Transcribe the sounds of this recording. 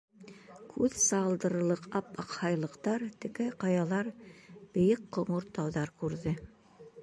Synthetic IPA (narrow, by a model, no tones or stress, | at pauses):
kʰʉðsɑlˠd̪ɤ̆ɾɤ̆lˠɤqɑpɑqhɑjlˠɤ̆qt̪ɑɾt̪ɘ̆kæjqɑjɑlˠɑɾb̥ɘ̆jɘqqːŏɴoɾt̪ːɑwðɑɾkʉɾðɘ